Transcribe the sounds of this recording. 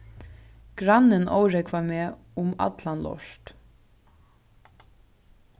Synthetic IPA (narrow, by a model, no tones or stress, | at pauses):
ɡ̥ɾanːɪnʔo̰wɾɛkʰʋameː | ʊma̰t̪lanlɔ̰ʃt̪